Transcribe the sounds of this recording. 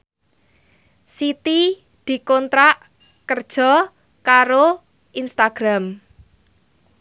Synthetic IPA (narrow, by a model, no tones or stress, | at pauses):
sit̪i | d̪̥i̤kɔnt̪ɾaʔ | kərd̥ʒ̥ɔ̤ | kaɾo | ʔinst̪aɡ̥ɾam